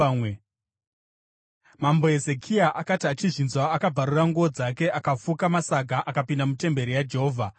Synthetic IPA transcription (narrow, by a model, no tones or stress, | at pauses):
mambo̞e̞ze̞kʰiaʔakatiat͡ʃiʐinzwaːkab͡vʱaɾuraŋɡuod͡zake̞ʔakap͡fukamasaɡʱaʔakapindamute̞mbe̞ɾijad͡ʒe̞ɦoːvʱa